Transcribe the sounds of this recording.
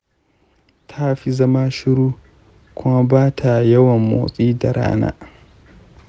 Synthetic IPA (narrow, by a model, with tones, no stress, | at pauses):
tʰa˦ɸi˦zɐ˦ma˦ʃɪ˦ɽuː˦ | kʷʊ˦ma˦baː˦tʰa˨jɐ˦wɐ˨mːo̰ː˨sʼiː˦da˨ɽa̰ː˦na̰ː˦